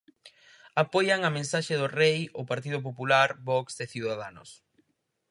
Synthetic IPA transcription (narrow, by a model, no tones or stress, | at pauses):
apojaŋamẽnsaʃeðʊrejʊpaɾt̪̬iðʊp̬opulaɾbɔksdeθiwðaðanʊs